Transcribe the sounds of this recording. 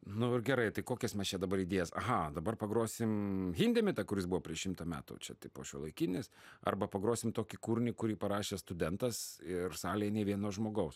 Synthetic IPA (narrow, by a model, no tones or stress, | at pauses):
nʊɪrɡʲɛɾɐɪt̪ɐɪkoːkʲɛsmʲɛst͡ʃʲɛd̪ɐbɐɾiːd̪ʲeːjɛsɐ̰ɦɑd̪ɐbɐrpɐɡɾoːsʲɪmɦʲɪːnʲd̪ʲɛmʲɪt̪ɛkʊɾʲɪsbuʋoːpʲɾʲiɛʃʃʲɪmt̪ɐmʲæ̰ːt̪ʊ̰t͡ʃʲɛt̪ɐɪpo̰ːʃʲuɔlˠɐɪkʲɪnʲɪsɐ̰rbɐpɐɡɾoːsʲɪmt̪oːkʲɪkuːɾʲnʲɪkʊɾʲiːpɐɾɑːʃʲeːst̪ʊd̪ʲɛnt̪ɐsɪrsɑːlʲejɛnʲɛʋʲiɛnoːʒmoːɡɐʊs